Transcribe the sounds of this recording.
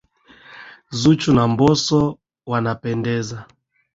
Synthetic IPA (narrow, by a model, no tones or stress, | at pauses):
zut͡ʃunambɔsɔ | wanapɛndɛza